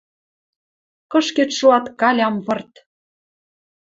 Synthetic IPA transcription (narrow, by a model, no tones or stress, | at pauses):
kɤ̆ʃket̪ʃoɑt̪kɑlʲɑmpɤ̆rt̪